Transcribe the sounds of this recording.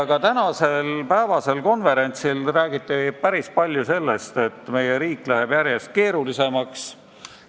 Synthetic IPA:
ɡ̥ɑt̪ænɑse̞lpæevɑse̞lko̞nve̞ɾe̞nʲt̪silræːɡit̪ˑːipæɾispɑlʲjuse̞lːe̞st̪e̞t̪ːˑme̞jeɾiːkːˑlæɦeb̥jæɾje̞st̪̚ke̞ːɾulise̞mɑks

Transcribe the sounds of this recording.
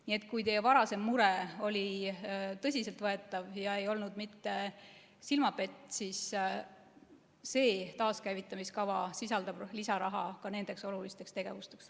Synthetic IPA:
nie̞t̪̚ːˑkujd̪evɑɾɑse̞mːuɾe̞o̞lʲi | t̪ɤsʲise̞lt̪vɤe̞t̪ːˑɑvjɑe̞jo̞lnud̪̥mit̪ːe̞ | silmɑpe̞t̪ːˑsis | se̞ːt̪ɑːskæjvit̪ːˑɑmiskɑvɑsisɑld̪ɑb̥lisɑɾɑɦɑ̰kɑne̞nd̪̥e̞kso̞lulist̪e̞kst̪e̞ɡ̥e̞vust̪e̞ks

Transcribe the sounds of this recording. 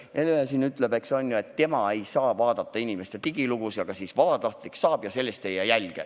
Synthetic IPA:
ʔelːjɑsiːnyt̪ːˑle̞be̞kso̞nʲjue̞t̪ːe̞mɑe̞jsɑːvɑːd̪ɑt̪ːɑinime̞st̪e̞t̪iɡ̥iluɡ̥usjɑɡ̥ɑsiːsvɑb̥ɑt̪ɑht̪liksɑːb̥jɑse̞lːest̪ejejælɡ̥ḛ

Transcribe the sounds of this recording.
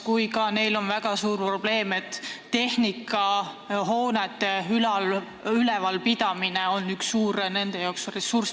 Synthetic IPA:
kujkɑne̞jlo̞nvæɡ̥ɑsuːrpro̞b̥le̞ːme̞t̪ːe̞hnikːˑɑ | ɦo̞ːnet̪ːeylɑl | ylɛvɑlpid̪̥ɑmine̞o̞nːyksːuːɾne̞nd̪̥e̞jɑoksre̞surs

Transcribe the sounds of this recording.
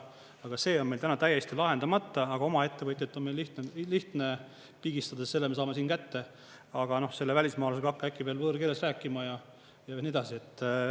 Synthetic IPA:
ɑɡ̥ɑse̞ːo̞nme̞jlt̪ænɑt̪æjːe̞st̪ilɑɦe̞nd̪̥ɑmɑt̪ːɑɑɡ̥ɑo̞mɑe̞t̪ːe̞vɤt̪ʲjet̪ːˑo̞nmelːiht̪eːiht̪ne | piːɡ̥ist̪ɑd̪esse̞lːemesɑːme̞siːnkæt̪ːe̞ | ɑɡ̥ɑno̞hse̞lːevælʲismɑːlɑseɡɑkːækːˑipeːlvɤːɾkeːlesræːkːˑimɑjɑ | jɑenʲied̪ɑsie̞t̪ːˑ

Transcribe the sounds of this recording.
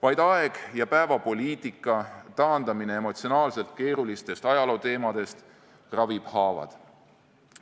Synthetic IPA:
vɑjd̪̥ɑeɡ̥jɑpæevɑpo̞liːt̪ikːˑɑt̪ɑːnd̪ɑmine̞emo̞t̪sionɑːlse̞lt̪̚ke̞ːɾulist̪e̞st̪ɑjɑlo̞ːt̪e̞ːmɑd̪̥e̞st̪ | rɑvib̥hɑːvɑ̰d̪̥

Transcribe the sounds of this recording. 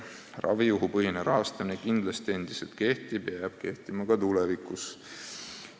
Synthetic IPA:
rɑ̰vijuɦupɤɦineɾʔɑɦɑst̪ɑminekind̪̥lɑst̪ie̞nd̪̥i̥se̞lt̪̚ke̞ht̪ib̥jɑjɑb̥̚ke̞ht̪imɑkɑt̪ulɛvikˑus

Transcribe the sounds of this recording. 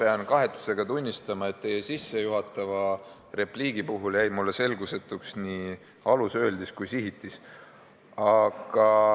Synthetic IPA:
pe̞ɑnkɑɦe̞t̪ˑːu̥se̞ɡ̥ɑt̪unʲːist̪ɑmɑe̞t̪ːe̞jesisːe̞juɦɑt̪ːˑɑvɑ | re̞pliːɡ̥ipuɦuljæjmulːe̞se̞lɡuse̞t̪ːˑuksni | ɑlusø̞ːld̪iskujsiɦit̪ˑːis | ɑɡ̥ɑ

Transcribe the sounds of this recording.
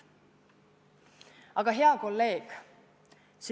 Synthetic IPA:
ɑɡ̥ɑɦe̞ɑko̞lːe̞ːɡ̥ | s

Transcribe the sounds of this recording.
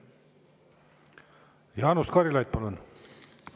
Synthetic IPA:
jɑːnuskɑɾilɑjt̪̚pɑlun

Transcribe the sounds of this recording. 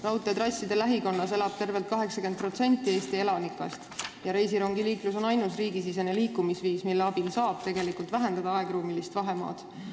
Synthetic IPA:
rɑwt̪ːˑet̪rɾɑsʲːid̪̥e̞læɦiko̞nːɑse̞lɑb̥t̪e̞rve̞lt̪̚kɑɦe̞ksɑkend̪̚pro̞t̪se̞nʲt̪ːˑie̞ːst̪ie̞lɑnikːˑɑ̰st̪jɑɾe̞jsiɾo̞ŋɡiliːklus̬o̞nɑjnus̬riːɡis̬ise̞ne̞liːkːˑumisviːsmilːeɑb̥insɑːb̥̚t̪e̞ɡe̞likˑult̪væɦe̞nd̪ɑd̪̥ɑɑe̞ɡ̥ruːmilist̪vɑɦe̞mɑ̰ːd̪̥

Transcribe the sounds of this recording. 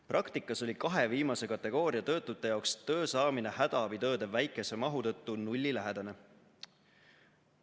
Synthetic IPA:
prɑkt̪ikːˑɑso̞lʲikɑɦe̞viːmɑse̞kɑt̪ˑːe̞ɡ̥o̞ːɾiɑt̪ɤ̞ːt̪ːˑut̪ːˑe̞jɑokst̪ɤ̞ːsɑːminehæd̪̥ɑbit̪ɤ̞ːd̪e̞væjkːˑe̞se̞mɑɦut̪ɤ̞t̪ːunulʲːilæɦed̪̥ɑne̞

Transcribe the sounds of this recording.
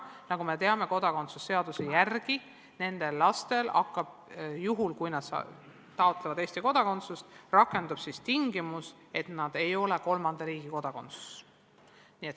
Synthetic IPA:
nɑɡume̞t̪e̞ɑme̞ko̞d̪ɑko̞nt̪susːe̞ɑd̪usejærɡ̥i | ne̞nd̪̥e̞lːɑst̪e̞lɑ̰kːˑɑb̥̚juɦulkujnɑd̪̥sɑ̰ | t̪ɑo̞t̪levɑd̪e̞ːsʲt̪iko̞d̪ɑko̞nt̪sust̪rɑkːˑe̞nd̪ub̥sist̪iŋɡimus | e̞t̪nɑd̪̥e̞jo̞le̞ko̞lmɑnd̪ɑɾiːɡ̥iko̞d̪̥ɑko̞nt̪su̥s | niet̪

